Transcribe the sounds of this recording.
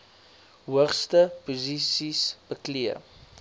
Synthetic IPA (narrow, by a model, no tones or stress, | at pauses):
ɦuəχstəpuzisisb̥əkliə